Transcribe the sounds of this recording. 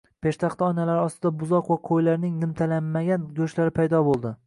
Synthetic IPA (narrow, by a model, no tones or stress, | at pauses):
pʰe̞ʃt̪ʰaχt̪aɒnalaɾɪɒst̪ɪd̪abʊzɒqvaqʰojlaɾnɪŋnɪmt̪ʰalamːaɡʲanɡʲɵʃlaɾɪpʰajd̪ɒbolˠd̪ɪ